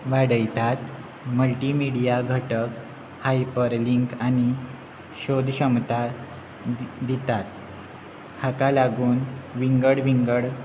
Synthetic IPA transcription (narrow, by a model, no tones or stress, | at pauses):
ʋaɽəjt̪at̪ | məlʈimiɽijaɡʱəʈək | hajpəɾliŋkañi | ɕod̪ʱɕəmt̪a | d̪it̪at̪ | hakalaɡuːnʋiŋɡəɽʋiŋɡəɽ